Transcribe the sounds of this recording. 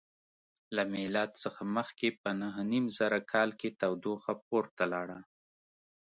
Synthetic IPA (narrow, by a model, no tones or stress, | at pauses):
lamɪlad̪səxaməxkepənəɦnimzaɾakʰɑlket̪awd̪oxap̚oɾt̪alɑɽa